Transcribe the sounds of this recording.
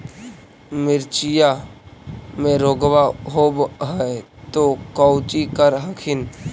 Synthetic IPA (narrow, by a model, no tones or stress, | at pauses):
mɪɾt͡ʃija | mẽɾoːɡwaɦoːbɦɛt̪okɔʊt͡ʃikəɾɦəkʰɪn